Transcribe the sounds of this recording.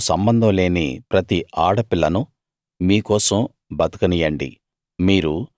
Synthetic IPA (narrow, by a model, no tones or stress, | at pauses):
sɐmbɐnd̪ʱɐ̃mle̞ːnḭpɾɐt̪iʔaːɽɐpilːɐnu | miːkɔːsɐm | bɐt̪ɐ̥kɐnijɐɳɖḭ | miːɾu